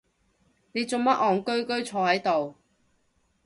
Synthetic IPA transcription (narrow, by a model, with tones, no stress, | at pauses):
ne˨˧jt͡so˨˧ŋmɐ˥ʔɔː˨ŋkɵ˥ɥkɵ˥ɥt͡sʰɔː˨˧hɐ˨˥jt̪o˨w